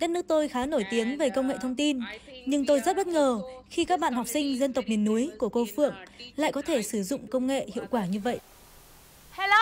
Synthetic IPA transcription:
ɗə˦˥t̚nɨ˦˥k̚t̪o˧jxaː˨˦no˧˩jt̪i˨˦əŋve˨˩kə˧wŋ͡mŋḛ˧˨t̪ʰə˧wŋ͡mt̪i˧nɲɨ˧ŋt̪o˧jzt̚ɓə˦˥t̚ŋəː˨˩xi˧kaː˦˥k̚ɓa̰ː˧˨nha˨˩wk͡p̚sï˧ŋ̟zə˧nt̪ə˨˩k͡p̚mi˨˩ənːu˨˦əjku˧˩əko˧fɨ̰˧˨əŋla̰ː˧˨jkɔ˨˦t̪ʰe˧˩sɨ˧˩zʊ̰˧˨ŋ͡mkə˧wŋ͡mŋḛ˧˨hḭ˧˨əwkwaː˧˩ɲɨ˧və̰˧˨jʔ

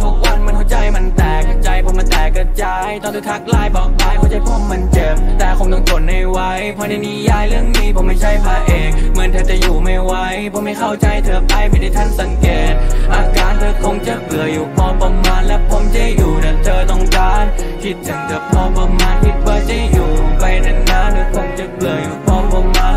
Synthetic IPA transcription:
t̪ʰu˧˥k̚wa˧˥˨nmaː˧˥nkʰa˧˥˩wt͡ɕa˧jma˧nt̪ɛː˨˩k̚t͡ɕa˧˩jpʰɔ˧˦ma˧˥nt̪ɛː˨˩kːa˧˩t͡ɕa˧jt̪ɔ˧˩ŋt̪ʰːt̪ʰa˧˥k̚laː˧˩jbɔː˨˩k̚laː˧˩jkʰa˧˩wt͡ɕa˧˩jkʰɔː˧˩mːa˧nt͡ɕe˨˧˩p̚t̪ɛː˨˩kʰo˧˦mt̪ɔː˧˩ŋt̪ʰo˨˩nha˧˩jwa˦˥jpʰɔː˧na˧˩niː˧˩jaː˧˩jlɯ˥˩əŋniː˧˥˩pʰɔ˧˦mːa˥˩jt͡ɕʰa˧˥˩jpʰaː˧ʔeː˨˩ŋ̚ma˧˥˨nt̪ʰaː˧˩t͡ɕa˨˩juː˨˩ma˧˩jwa˦˧˥jpʰɔː˧˦ma˥˩jkʰa˥˩wt͡ɕa˧˩jt̪ʰɤː˧˩əpʰla˧˩jma˧˩naː˧˩jt̪ʰa˧˥˩nt̪a˧˩ŋkɛː˨˩nʔaː˧kaː˨˧nt̪ʰɤː˧˦kʰo˧˥ŋt͡ɕa˨˧˩pɯ˨˩əjuː˨˩kʰɔː˧˥pa˧mːaː˧˥nlɛ˦˧˥pʰo˧˦mt͡ɕa˧˩juː˨˩na˧˩t͡ɕɤː˧˩t̪ɔ˧˩ŋkaː˧nkʰi˦˥t̪̚t͡ɕa˨˩ŋkɯ˨˩p̚pʰɔː˧˩pa˧mːaː˧˥npʰi˧˥t̪̚baː˧˩t͡ɕa˧˩juː˨˩pa˧˩jnɯ˧˩ŋnaː˧˩nt̪ʰɯː˧˥kʰːo˧˥ŋt͡ɕa˧pɯ˨˩əjuː˨˩kʰɔː˧˥po˧maː˧

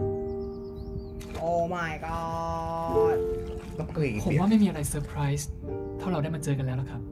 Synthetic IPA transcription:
ʔoː˧˩ma˥˩jkɔ˥˩ | kɔː˥˩kliː˨˩pʰo˩˦wa˥˩ma˥˩jmiː˧ʔa˧ɾa˧jsɤː˧pʰɾa˦˥jst̪ʰa˥˩wɾa˧wda˥˩maː˧t͡ɕɤː˧ka˧nlɛː˦˥wla˨˩kʰɾa˦˥p̚

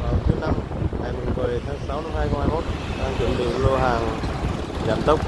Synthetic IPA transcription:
vaː˨˩wt̪ʰɨ˨˦na˧m | ŋaː˨˩jmɨ˨˩nɓə˨˩jt̪ʰaː˨˦ŋsa˨˦wna˧˨˦mhaː˧jxə˧wŋ͡mhaː˧jmo˦˥t̚ɗaː˧ŋt͡ɕwə̰˧˨˩nɓḭ˧˨ŋlo˧ɦaː˨˩ŋ | za̰ː˧˨˩mɗ̪ə˦˥wk͡p̚

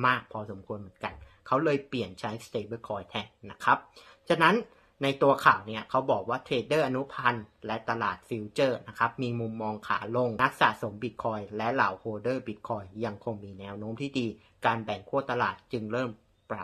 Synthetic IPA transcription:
maː˥˩k̚pʰɔː˧so˩˦mkʰu˧ənmɯ˩˦ənka˧n | kʰa˦˥wlɤː˧jpli˨˩ənt͡ɕʰa˦˥jst̪eː˧bɯː˥˩kʰɔː˧jt̪ʰɛ˦˧˩k̚na˦˥kʰa˦˥p̚ | t͡ɕʰa˧˩na˦˥nː | a˧jt̪u˧ɐkʰaː˨˩wni˦˥˩ɐkʰa˦˥wbɔː˨˩k̚waː˥˩t̪ʰeː˧dɤː˥˩ʔa˧nu˦˥pʰa˧nlɛ˦˥ʔt̪a˧laː˨˩t̪̚fi˧wt͡ɕɤː˥˩na˦˥kʰa˦˥p̚miː˧mu˧mːɔː˧ŋkʰa̰ː˩˦lo˧ŋna˦˥k̚sa̰˨˩t̪̚so˩˦mbi˨˩t̪̚kʰɔː˧jlɛ˦˥ʔla̰ː˩˦whoː˧dɤː˥˩bi˨˦˩t̪̚kʰɔː˧jːa˧ŋkʰo˧ŋmiː˧nɛː˦˥wnoː˦˥mt̪ʰiː˥˩diː˧ | kaː˧nbɛ˨˩ŋkʰu˥˩ɐt̪a˧laː˨˩t̪̚t͡ɕɯ˧ŋɾɤː˥˩m | pɾa˨˩

